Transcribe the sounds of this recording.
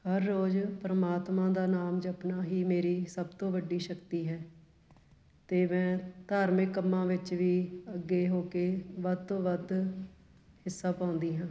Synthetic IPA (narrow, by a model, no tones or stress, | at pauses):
həɾːoːd͡ʒpɾəmaːt̪mãːd̪aːnaːmd͡ʒəpnaːɦiːmeːɾiːsəbt̪õːʋəɖiːʃəkt̪iːɦɛː | t̪eːmɛ̃ːt̪aːɾmẽkəmːãːʋɪt͡ʃʋiːəɡːeːɦoːkeːʋəd̪̚t̪õːʋəd̪ | hɪsːaːpãːʊ̃nd̪iːɦãː